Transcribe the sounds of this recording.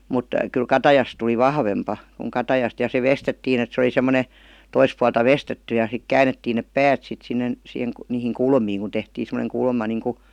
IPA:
mut kyl kɑtɑjɑs tuli ʋɑhʋempɑ kuŋ kɑtɑjɑst jɑ se ʋestetːiːn et se oli semːone tois puɑltɑ ʋestetːy jɑ sik kæːnetːiːn nep pæːt sit sinːen sih niːhiŋ kulmiːŋ ku tehtiːn̞ semoneŋ kulmɑ niŋku

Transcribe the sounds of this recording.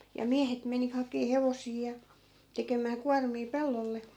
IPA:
jɑ miæhet meni hɑkeː heʋosiː jɑ tekemæː kuɑrmiː pelːolːe

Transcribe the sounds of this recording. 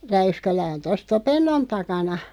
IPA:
ræyskælæ on tos topenːon tɑkɑnɑ

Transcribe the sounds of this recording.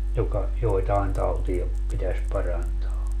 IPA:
jokɑ joetɑen tɑutiɑ pitæs pɑrɑntɑː

